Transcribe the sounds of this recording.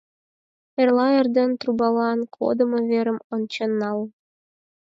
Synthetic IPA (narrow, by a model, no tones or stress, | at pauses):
erlˠɑerd̪ent̪rubɑlˠɑnkʰo̰d̪ɤ̆mɤ̆βeɾə̆mont͡ɕenːɑlˠ